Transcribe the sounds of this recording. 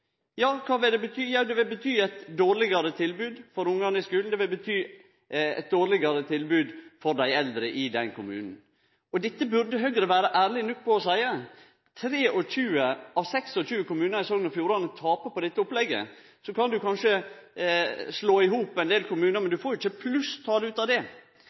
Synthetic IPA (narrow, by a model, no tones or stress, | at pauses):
jɑːkʰɑːʋɪld̪ɛbət̪ʰyːjɑd̪ɛʋɪlbət̪ʰyːæɪt̪d̪oːɾɭɪɡɑɾət̪ʰɪlbʉːd̪fɔɾʊŋːɑnəɪskʉːln̩d̪ɛʋɪlbət̪ʰyː | ɛ̰t̪̚d̪oːɾɭɪɡɑɾət̪ʰɪlbʉːd̪fɔɾd̪æɪɛld̪ɾəʔɪd̪ɛnkʊmʉ̰ːnn̩ | ɔd̪ɪt̪ːəbʉɾd̪əɦœɡɾəʋæːɾəʔæːɾɭɪnʊk̪̚pʰɔɔsæɪə | t̪ʰɾeːʔɔçʉːəɑʋsɛksɔçʉːəkʊmʉːnəɾæɪsoːɡnɔɾfjuːɾɑnət̪ʰɑːpəpɔd̪ɛt̪ːəʊplɛɡə̰ | sɔkɑnd̪ʉkʰɑnʂə | sloːɪɦuːpɛnd̪eːlkʰʊmʉːnəɾmɛnd̪ʉfoːɾʊɪçːəpʰlʉst̪ʰɑːləʉːt̪ɑʋd̪ɛ